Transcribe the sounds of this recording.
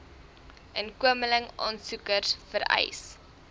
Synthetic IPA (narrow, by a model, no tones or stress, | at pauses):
ʔənkuəmələŋɑːnsukərsfəɾɛ̰js